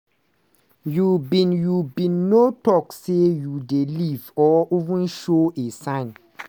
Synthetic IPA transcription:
jubĩnjubĩnːotɔksejudelivɔivũnʃoesãɪ̃n

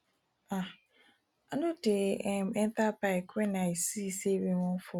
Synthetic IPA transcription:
a | anotem̩en̩tapaekʷenaisisebeŋofʊ

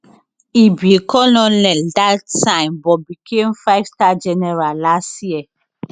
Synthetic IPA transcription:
ibikɔlɔ̃lɛldatsãɪ̃mbɔbikʰẽmfaɪv̥stad͡ʒɛnɛɹallastjɛ

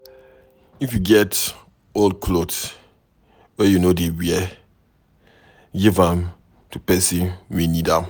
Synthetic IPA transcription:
ifjuɡɛt | oldkʰlods | wɛjunodewiɛ | ɡivãm | tupɛsĩnwenidãm

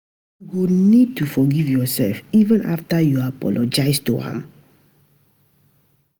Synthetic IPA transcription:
ɡunid̚tufɔɡivjɔsɛ̰lfivə̃na̰ftajuapɔ̰lɔd͡ʒaɪstuhã̰m

